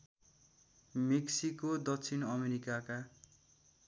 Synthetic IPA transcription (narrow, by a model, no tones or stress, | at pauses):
meksikod̪ʌk̚t͡sʰinʌmeɾikaka